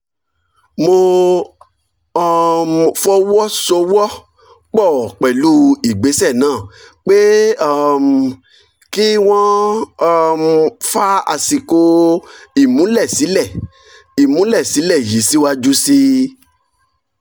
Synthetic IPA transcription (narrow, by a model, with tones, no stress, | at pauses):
mo˧ | ɔ˧mfɔ˦wɔ˦so˧wɔ˦ | k͡pɔ˦˨k͡pɛ˨lu˦i˨ɡ͡be˨˦sɛ˦˨nãː˦˨k͡pe˦ɔ˦˨m | ki˦w̃ɔ̃˦ | m˧fa˦a̰˧si˧ko˧i˦˨mũ˨˦lɛ˦˨si˨˦lɛ˦˨ | i˨mũ˨˦lɛ˦˨si˨˦lɛ˦˨ji˨˦si˦wa˧d͡ʒu˦si˧